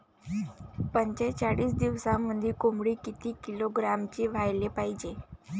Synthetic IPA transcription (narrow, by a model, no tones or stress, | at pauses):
pəɲt͡ɕet͡ɕaɽiːsd̪iʋsamːəd̪ʱikomɽiːkit̪iːkiloɡɾamt͡ɕeːʋ̤ajlepaɦid͡ʑe